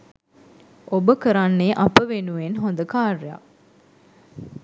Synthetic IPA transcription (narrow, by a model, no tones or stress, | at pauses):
obəkəɾanːeʔapəʋenuʋenɦond̪əkaːreja̰